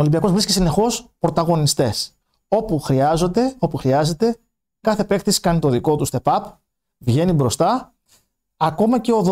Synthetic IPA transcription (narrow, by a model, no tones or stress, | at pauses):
olimbiɐko̞zvɾiscisine̞xo̞spɾo̞t̪ɐɣo̞nist̪e̞s | o̞puxɾiɐzo̞d̪e̞o̞puxɾiɐze̞t̪e̞ | kɐθe̞pe̞kt̪isi̥kɐnit̪o̞ðiko̞t̪ust̪e̞pɐp | vʝe̞nibɾo̞st̪ɐ | ɐko̞mɐce̞o̞ð